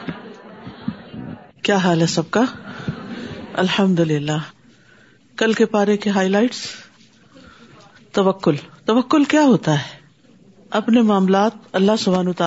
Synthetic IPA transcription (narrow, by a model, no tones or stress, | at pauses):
kjaːɦaːlɦɛsɐb̚ka | ɐ̰lħɐmd̪ʊlɪlːa | kɐlkepaːɾekeɦaːilaːɪʈs | t̪ɐʋəkːʊlt̪ɐʋəkːʊlkjaːɦoːt̪aɦɛː | ɐpnemaːmlaːt̪̚ɐlːaɦsʊbʱaːnːt̪aː